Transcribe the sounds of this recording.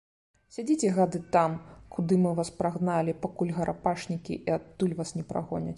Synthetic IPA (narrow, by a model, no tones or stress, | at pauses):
sʲad͡zʲit͡sʲɛɣad̪ɨt̪amkʰud̪ɨmɨvaspɾaɣnalʲipakulʲɣɐɾʔapaʂnʲikʲḭʔiat̪ːulʲvasnʲɛpɾa̰ɣɔnʲɐ̰t͡sʲ